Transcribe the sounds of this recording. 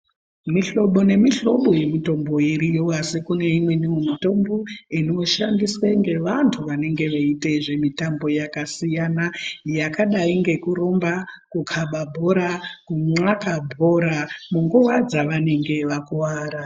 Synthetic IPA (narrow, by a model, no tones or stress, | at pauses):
miɬo̞ɓo̞ne̞miɬo̞ɓo̞je̞mito̞mbo̞iɾijoasikune̞imwe̞niomito̞mbo̞ino̞ʃandiswaŋɡe̞ʋantʰuʋane̞ŋɡe̞ʋaiteʐe̞mitambo̞jakasijanajakaɗaiŋɡe̞kuɾo̞mbakukʰaɓabʱo̞ɾakuŋ͡ǀakabʱo̞ɾamuŋɡuwad͡zaʋane̞ŋɡe̞ʋakuwaːɾa